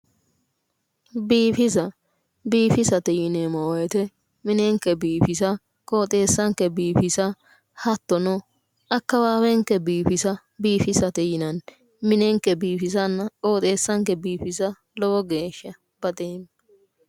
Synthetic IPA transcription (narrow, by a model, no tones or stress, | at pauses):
biːfɪzɐ | biːfɪsɐt̪ɛjɪnemɔwjɛt̪ɛ | mɪnɛŋkːɛbiːfɪsɐ | kʼo̞ːt̪ʼe̞ːsːɐŋkɛbiːfɪsɐ | hɐt̪ːɔnɔ | ɐkːɐbaːbɛŋkːɛbiːfɪsɐ | biːfɪsɐt̪ɛjɪnɐn | mɪnɛŋkːɛbiːfɪs̬ɐnːɐkʼo̞ːt̪ʼe̞ːsːɐŋkɛbiːfɪsɐ | lɔwɔɡe̞ːʃːɐ | b̥ɐt̪ʼeːm